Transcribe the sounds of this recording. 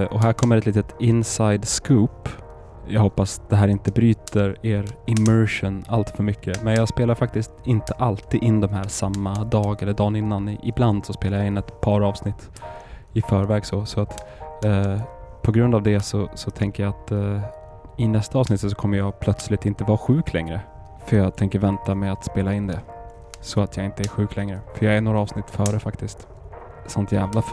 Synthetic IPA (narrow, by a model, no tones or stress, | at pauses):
ʔɔɦæːɾkʰɔmːəɾɛt̪liːt̪ət̪ɪnsajd̪skuːp | jɑːɡɦɔpːasd̪̥ɛɦæːɾɪnt̪əbɾyːt̪əɾeːɾɪmœɾʂʊnalt̪fœɾmʏkʰːəmɛnjɑːɡspeːlaɾfak̚t̪ɪst̪ɪnt̪əʔalt̪iːd̪ɪnːd̪ɔmɦæːɾsamːad̪ɑːɡɛlːəɖɑːnɪnːanɪbland̪sɔspeːlajaɪnːɛt̪pʰɑːɾɑːvsnɪt̪ː | ɪfœːɾvɛːɡsɔsɔat̪ː | pʰɔɡɾɵnd̪avd̪ɛsɔsɔt̪ʰɛŋkəjaat̪ | ɪnɛst̪aɑːvsnɪt̪ːsɔ̥kʰɔmːəɾjɑːɡpʰlœt̪slɪt̪ɪnt̪əvɑːɧʉ̟ːkʰlɛ̰ŋɾə | fœɾjɑːɡt̪ʰɛŋkəɾvɛnt̪amɛat̪speːlaɪnːd̪ɛ | sɔat̪ʰjɑːɪnt̪əæɾɧʉ̟ːklɛŋɾəfœjɑːɡæɳoːɾaɑːvsnɪt̪ːfœːɾəfakt̪ɪst̪ | samt̪jæːvlaf